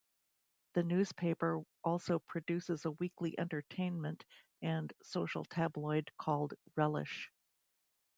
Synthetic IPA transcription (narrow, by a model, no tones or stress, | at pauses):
ðɨnʉz̥pʰeɪpə˞ʔɔlˠsoʊpʰɹ̥ɨdʉsɨzəwikliʔɛ̰̃ntə˞tʰẽɪ̃nmɨ̃nt | ɨ̃nsoʊʃl̩ˠtʰæblɔɪd̚kʰɔlˠdɹɛlˠɪ̰ʃ